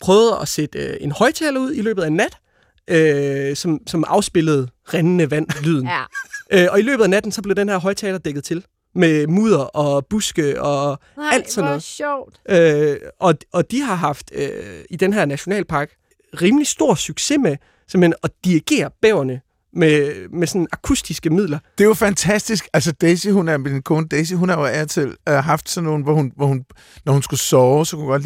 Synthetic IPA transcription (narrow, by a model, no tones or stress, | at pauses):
pʰʁœːʊð̞̩ˠɒ̽sed̥e̝nhɒ̽ɪt͡sʰɛːlɐuð̰ˠilø̰ːbð̩ˠænːæd̥ | ʔøsɒ̽msɒ̽mʔɑ̈ʊsb̥e̝ləð̞̩ˠʁanənəʋæn̰lyð̞̰ˠn̩ʔøɒ̽ilø̰ːb̥ð̩ˠænæd̥n̩sɒ̽b̥le̝ʊd̥enhæɐ̰ɦɒ̽ɪt͡sʰɛːlɐd̥eɡ̥ð̩ˠt͡sʰe̝l | memṵːð̞̰ˠɐʔɒ̽b̥usɡ̥əɒ̽æl̰d̥sɒ̽nːɔð̩̰ˠd̥øʔɒ̽ʔɒ̽d̥iɦɑ̈ɦɑ̈fd̥ø̰id̥enɦæɐ̰næɕo̝nɛ̰ːlpʰɑ̈ːɡ̥ | ʁiːməlisd̥o̝ɐ̰syɡ̥se̝me | semhenɒ̽d̥iiɡ̥e̝̰ːɐb̥ɛʊɐnə | memesɔ̽nn̩ɑ̈kʰusd̥isɡ̥əmið̰ˠlɐd̥e̝jofænt͡sʰæsd̥isɡ̥æls̬əd̥esiɦunæɐmed̥inkʰoːnəd̥es̬iɦunhɑjoæɐt͡sʰe̝lɦɑ̈fd̥sɒ̽nːo̝ːn̩ʋɒhunʋɒhun | nɒhunsɡ̥usɒːʊsɒ̽kʰuhuɡ̥ɒ̽d̥l